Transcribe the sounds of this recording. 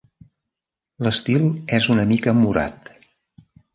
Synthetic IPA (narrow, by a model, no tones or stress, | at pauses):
ləst̪ilˠɛzunəmikəmuɾa̰t̪